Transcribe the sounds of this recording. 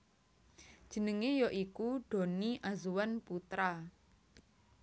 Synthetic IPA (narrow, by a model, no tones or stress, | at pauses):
d̥ʒ̥ə̤nəŋejɔʔikuɖ̥o̤niʔazuwanput̪ɾa